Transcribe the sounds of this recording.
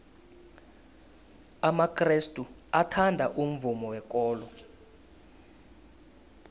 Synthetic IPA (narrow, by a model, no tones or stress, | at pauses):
amakʰʼristʼuatʰandʱaʔum̩vumɔwɛk̬ʼɔːlɔ